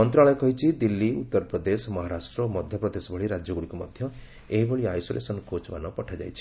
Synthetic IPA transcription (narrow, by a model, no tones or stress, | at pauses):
ɔnt̪ɾaɭɔekɔɦit͡ʃʰid̪ilːiut̪ːɔɾpɾɔd̪esɔmɔɦaɾasʈɾɔːmɔd̪ʱjɔpɾɔd̪esɔbʱɔɭiɾad͡ʒjɔɡuɽikumɔd̪ʱjɔ | eɦibɔɭiajsolḛsɔnɔkot͡ʃba̰nɔpɔʈʰad͡ʒa̰jt͡ʃʰi̥